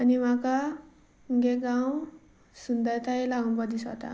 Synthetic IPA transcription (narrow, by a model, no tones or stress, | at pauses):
ʌniwãka | ɡeɡaw | sund̪ajt̪ajlaʌmbʌd̪isʌ̰t̪ʰa̰